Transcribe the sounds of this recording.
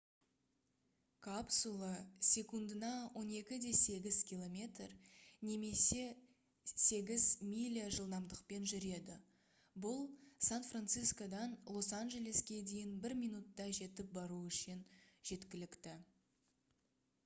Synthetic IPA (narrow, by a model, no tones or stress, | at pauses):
kʰapsulˠɑsʲe̞kund̪ənɑwʔo̞ne̞kʲɪd̪e̞se̞ɡʲɪz̥kʲilˠo̞mʲe̞t̪rne̞me̞se̞ | se̞ɡʲɪzmʲilʲiaʒəlˠd̪ɑmd̪əqpe̞nʒʏɾe̞d̪ɪ | bʊlˠsanfrant̪sɨjsko̞d̪ɑnlˠo̞sanʒe̞lʲe̞skʲe̞d̪e̞jɪnbɪɾmʲijnut̪ːɑʒe̞t̪ɪp̚bɑɾuʏʃɪnʒ̥e̞t̪kʲɪlɪkt̪ɪ